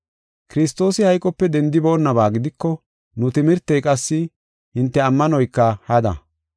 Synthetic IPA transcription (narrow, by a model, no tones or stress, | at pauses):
kɪɾɪst̪ːo̞ːsɪhɐjkʼɔpːɛd̪ɛnd̪ɪbo̞ːnːɐbaːɡɪd̪ɪkːɔ | nʊt̪ɪmɪɾt̪ːɛjkʼɐsːɪ | hɪnt̪ːɛɐmːɐnɔjkːɐhɐd̪ɐ̰